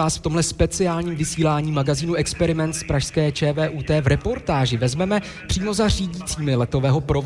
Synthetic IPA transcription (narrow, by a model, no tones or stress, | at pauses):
aːsft̪o̞mɦlɛspɛt͡sɪaːlɲiːmvɪsiːlaːɲiːmaɡaziːnuʔɛkspɛɾɪmɛnt̪spɾaʃskɛːt͡ʃɛːvɛːʔuːt̪ɛːvɾɛpo̞ɾt̪aːʒɪvɛzmɛmɛ | pr̥iːmo̞zar̝iːɟit͡siːmɪlɛt̪o̞vɛːɦo̞pɾov